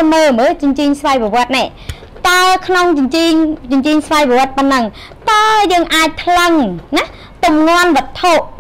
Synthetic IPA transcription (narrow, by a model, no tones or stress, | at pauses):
məːməːt͡ɕʊɲt͡ɕiːɲsʋajpəʋŏət̪̚nɛʔ | t̪aəkʰnoŋt͡ɕɲt͡ɕiɲt͡ɕʊɲt͡ɕiːɲsʋajpɔʋŏət̪̚pənːəŋ | t̪aəjəːŋʔaːc̚t̪ʰləŋnah | t̪umŋŏənʋə̆ət̪ʰːoʔ